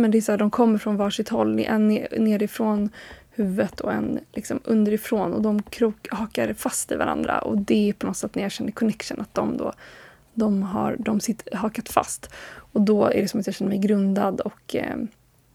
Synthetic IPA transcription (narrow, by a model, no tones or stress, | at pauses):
mɛnd̪ɛːsaːd̪ɔmkʰɔmːəɾfɾɔnvɑːʂɪt̪hɔl̰ːʔɛ̰nneːɾɪfɾoːnhʉ̟ːvət̪ʰɔ̰ɛ̰nlɪksɔmɵnd̪əɾɪfɾoːnɔ̰d̪ɔmkʰɾuːhɑːkaɾfast̪ɪva̰ɾa̰nd̪ɾa̰ʔɔ̰d̪ɛpʰɔnɔt̪sɛt̪næɾjɑːɡɕɛnːəɾkʰɔnɛkʂənat̪̚d̪ɔmd̪o̰ː | d̪ɔmɦa̰ɾɖ̪ɔmsɪt̪ːəɦɑːkat̪fa̰st̪ɔd̪ɔæ̰ɖɛsɔmat̪jɑɕɛnːəmɛjɡɾɵnd̪ad̪ɔk